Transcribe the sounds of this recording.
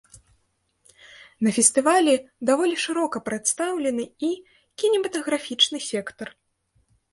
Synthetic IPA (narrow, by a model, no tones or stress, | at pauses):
nɐfʲɛsʲt̪ɨvalʲɛd̪avɔlʲiʂɨɾɔkɐpɾat̪st̪awlʲɛnɨi | kʲinʲɛmɐt̪ɐɣɾafʲit͡ʂnɨsʲɛkt̪ɐr